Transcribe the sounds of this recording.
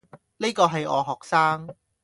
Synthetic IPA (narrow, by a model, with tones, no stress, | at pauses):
ni˥kɔː˧ɦɐ˨jɔ̰ː˨˧ɦɔː˨k̚saː˥ŋ